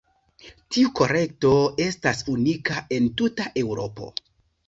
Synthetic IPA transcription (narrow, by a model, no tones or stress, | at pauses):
tiuko̞ɾe̞k̚to̞e̞stasunikaʔe̞ntutaʔe̞wɾo̞po̞̰